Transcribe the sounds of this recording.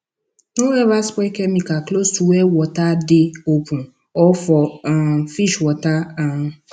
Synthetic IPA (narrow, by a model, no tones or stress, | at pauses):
noɛvaspɔkɛmĩkaklostuɛwɔtadeopũ | ɔfɔfiʃwɔtaa